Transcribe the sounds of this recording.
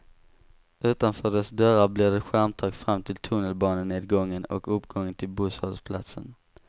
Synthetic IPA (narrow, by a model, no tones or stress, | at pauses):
ʔʉ̟ːt̪anfœːɖɛsd̪œɾablɪd̪ɛɧæɾmt̪ʰɑːɡfɾamːt̪ʰɪlt̪ʰɵnəlbɑːnəneːd̪ɡɔŋːənɔ̰kɵpːɡɔŋːənt̪ʰɪlbushɔlspʰla̰t̪sə̰n